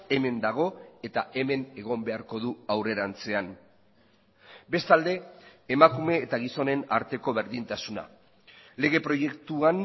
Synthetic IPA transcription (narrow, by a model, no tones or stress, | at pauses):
e̞me̞nd̪aɣ̞o̞e̞t̪aʔe̞me̞ne̞ɣ̞o̞mbe̞aɾko̞ð̞uawre̞ɾant͡se̞an | be̞st̪ald̪e̞ːmakume̞ːt̪aɣiso̞ne̞na̰ɾt̪e̞ko̞βe̞ɾðint̪asuna̰ | le̞ɣ̞e̞pɾo̞je̞kt̪uan